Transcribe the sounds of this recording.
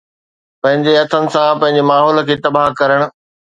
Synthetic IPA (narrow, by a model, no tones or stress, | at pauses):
pɐ̃ɦɪ̃ɲd͡ʑeɐt̪ʰənɪ̆sãpɐ̃ɦɪ̃ɲd͡ʑemaːɦɔːl̆kʰeːt̪ɐbaɦkɐɾəɽ̃ʊ̆